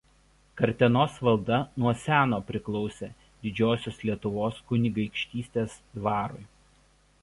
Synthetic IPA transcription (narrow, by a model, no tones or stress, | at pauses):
kɐɾʲt̪ʲɛnoːsʋɐlˠd̪ɐnuɔsʲæːnoːpʲɾʲɪklˠɒʊsʲḛː | d̪ʲɪd͡ʒʲoːsʲoːslʲiɛt̪ʊʋoːskʊnʲɪɡɐɪkʃʲt̪ʲiːsʲt̪ʲeːsd̪ʋɑːɾʊ̰ɪ